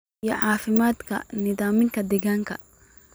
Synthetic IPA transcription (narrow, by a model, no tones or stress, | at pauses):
jɔʕɑːfɪmaːd̪kʰɐ̰nɪðaːmɪŋkʰɐd̪ɛɣaːŋkʰɐ